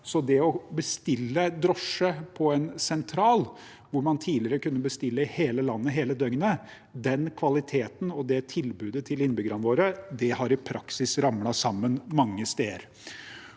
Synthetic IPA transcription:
sɔd̪ɛɔbəst̪ɪlːəd̪ɾɔʂəpʰɔɛnsɛnt̪ʰɾɑːl | ʋʊɾmɑnt̪ʰiːlɪəɾəkʉnːəbəst̪ɪlːəɪheːləlɑnːəɦeːləd̪œŋnə | d̪ɛnkʰʋɑlɪt̪ʰeːt̪n̩ɔd̪ɛt̪ʰɪlbʉːd̪ət̪ʰɪlɪnbʏɡɾɑnʋoːɾəd̪ɛhɑɾɪpʰɾɑksɪsɾɑmlɑsɑmːənmɑŋːəst̪eːɾ

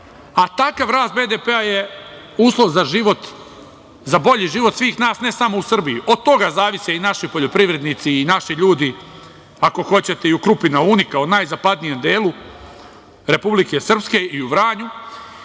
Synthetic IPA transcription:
at̪akaʋɾaːst̪be̞ːd̪epe̞aje̞ | uːslˠo̞ʋzaʒiʋo̞t̪ | zabo̞ʎiʒiʋo̞t̪sʋiːxnaːsne̞samo̞usr̩bijuʔo̞d̪̚t̪o̞ɡazaːʋiseinaʃipo̞ʎo̞pɾiʋɾe̞d̪nit̪siːnaʃiʎuːd̪i | ako̞xo̞t͡ɕe̞t̪e̞iukɾupinaunikaonaːjzapad̪nije̞md̪eːlˠu | ɾe̞publike̞sr̩pske̞ʔiuʋɾaːɲu

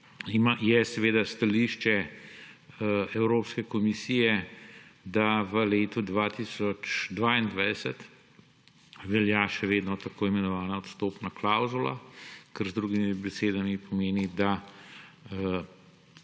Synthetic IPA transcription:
imajɛsɛʋeːd̪ast̪aliːʃt͡ʃɛ | ɛwɾoːpskɛkɔmisijɛ | d̪aʋəleːt̪ud̪ʋat̪iːsɔt͡ʃd̪ʋaːind̪ʋajd̪ɛsət̪ | ʋɛljaʃɛʋeːd̪nɔt̪akoːimɛnɔʋaːnaɔt̪st̪oːpnaklawzula̰kəɾzd̪ɾuɡimibɛseːd̪amipɔmeːnid̪a

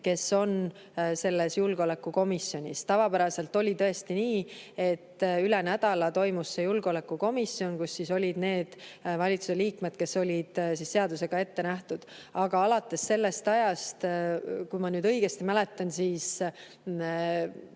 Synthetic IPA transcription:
ke̞sːo̞n | se̞lːe̞sjulɡeo̞le̞kːˑuko̞misjo̞nʲist̪ɑvɑpæɾɑse̞lt̪ˑo̞lʲit̪ɤ̞e̞st̪iniːe̞t̪ːyle̞næd̪̥ɑlɑt̪o̞jmusːejulɡ̥eo̞le̞kːuko̞misio̞nkusːiso̞lʲid̪̥ne̞ːd̪̥vɑlʲit̪suseliːkme̞d̪̥ke̞so̞lʲid̪̥sisːe̞ɑd̪use̞ɡ̥ɑe̞t̪ːe̞næht̪ud̪̥ɑɡ̥ɑɑlɑt̪ːˑe̞sːe̞lːe̞st̪ɑjɑst̪kujmɑnyːd̪̥ɤijɡ̥e̞st̪imæle̞t̪ːˑɑnsiːs

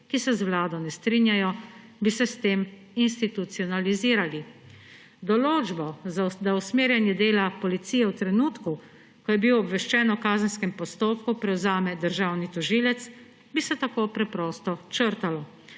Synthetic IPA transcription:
kisɛzwlaːd̪ɔnɛst̪ɾinjajɔ | bisɛst̪eːm | inst̪it̪ut̪siɔnaliziːɾali | d̪ɔloːd͡ʒbɔzad̪ausmeːɾjanjɛd̪eːlapɔlit̪sijɛwt̪ɾɛnuːt̪ku | kɔjɛbiwɔːbʋɛʃt͡ʃɛːnɔkaːzənskɛmpɔst̪oːpkupɾɛwzaːmɛd̪əɾʒaːwnit̪ɔʒiːlɛt̪s | bisɛt̪akoːpɾɛpɾɔst̪ɔt͡ʃəɾt̪alɔ

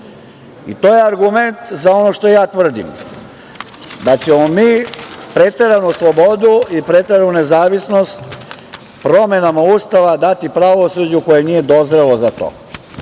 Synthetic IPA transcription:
ḭt̪o̞ːjeaɾɡument̪zao̞no̞ʃt̪o̞jaːt̪ʋr̩d̪ḭm | d̪at͡ɕemomiːpɾe̞t̪eɾanuslˠo̞bod̪uipɾet̪eɾanune̞zaːʋisno̞st̪ | pɾo̞me̞namaust̪aʋad̪at̪ipɾaʋo̞sud͡ʑuko̞jenije̞d̪o̞zɾelozat̪o̰ː

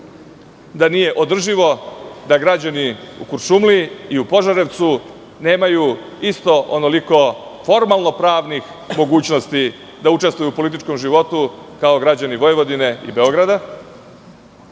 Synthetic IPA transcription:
d̪anije̞ʔo̞d̪r̩ʒiʋo̞d̪aɡɾad͡ʑaniṵkuɾʃumliiupo̞ʒaɾe̞ʋt̪su | ne̞ːmaju | ist̪o̞ʔono̞liko̞fo̞ɾmalˠno̞pɾaːʋnix | mo̞ɡuːt͡ɕno̞st̪i | d̪auʈ͡ʂest̪ʋujupo̞lit̪̬it͡ʃko̞mʒiʋo̞t̪ukao̞ɡɾad͡ʑaniʋo̞jʋo̞d̪ine̞ḭbe̞o̞ɡɾad̪a

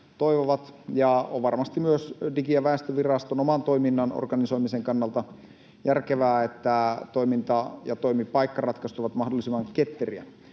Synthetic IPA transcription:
t̪oiʋoʋɑt̪jɑo̰ʋʋɑrmɑst̪imyøsdikiæʋæest̪øʋirɑst̪onomɑnt̪o̞iminːɑno̰rɡ̥ɑniso̞jmiseŋkɑnːɑlt̪ɑ | jærkeʋæːet̪ːæt̪oimint̪ɑjɑt̪oimipɑikːɑrɑt̪kɑst̪uʋɑt̪mɑhdolːˑisimːˑɑŋket̪ːeriæ̰

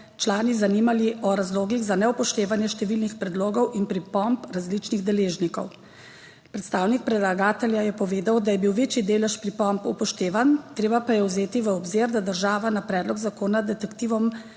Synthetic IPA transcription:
t͡ʃlaːnizaniːmaliʔɔɾazloːɡiɣzanɛupɔʃt̪eːʋanjɛʃt̪ɛʋilnixpɾɛd̪loːɡɔwʔinpɾipɔmpɾazlit͡ʃniɣd̪ɛleːʒnikɔw | pɾɛt̪st̪aːwnik̚pɾɛd̪laɡaːt̪ɛljajɛpɔʋeːd̪awd̪ajɛbiwʋeːt͡ʃid̪eːlɛʃpɾipɔmpupɔʃt̪eːʋant̪ɾeːbapajɛwzeːt̪iʋəɔbzeːɾd̪ad̪əɾʒaːʋanapɾɛːd̪lɔɡzakoːnad̪ɛt̪ɛkt̪iːʋɔm

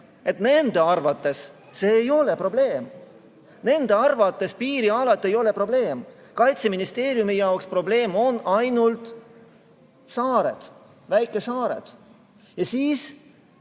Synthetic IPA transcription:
e̞t̪ne̞nd̪̥e̞ɑrvɑt̪ːˑe̞sː | e̞ːjo̞le̞pro̞ble̞ːm | ne̞nd̪̥e̞ɑrvɑt̪ˑːe̞spiːɾiɑlɑt̪ˑːe̞jo̞le̞pro̞ble̞ːm | kɑjt̪seminist̪e̞ːɾijumijɑokspro̞ble̞ːmo̞nɑjnult̪ | sɑːɾe̞̰d̪̥ | væjkːˑe̞sɑːɾe̞̰d̪̥ | jɑsiːs

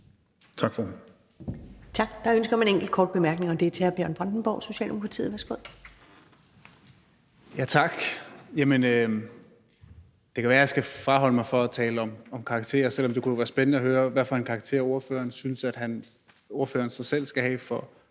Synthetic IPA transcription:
t͡sʰɑ̈ɡ̥fɒde | t͡sʰɑ̈ɡ̥d̥ɑ̈ønsɡ̥ɐmæneŋɡ̥l̩d̥̚kʰɒːd̥̚b̥e̝mæɐɡ̥ne̝ŋɒ̽d̥e̝t͡sʰe̝æɐb̥jœɐnb̥ʁɑ̈nd̥n̩b̥ɒ̰ʊ̰so̝ɕɛ̰ːld̥eokʰʁɑ̈t͡sʰḭːð̩ˠʋæsɡ̥oð̰ˠ | jæt͡sʰɑ̈ɡ̥jæmənø | d̥e̝kʰæʋæːɐjɑ̈sɡ̥æfʁɑ̈ɦɒ̽l̰əmɑ̈ɪfɒ̽æt͡sʰɛːləɒ̽mɒ̽mkʰɑ̈ɡ̥t͡sʰe̝̰ːɐsel̰ɒ̽md̥e̝kud̥ʋæːɐsb̥ennəɒɦøːɐʋæfɒ̽hænkʰɑ̈ɡ̥̚t͡sʰe̝̰ɐo̝ɐføːɐnsynəsæd̥ɦæn | o̝ɐføːɐnsɑsel̰sɡ̥æhɛ̰ːfɒ̽

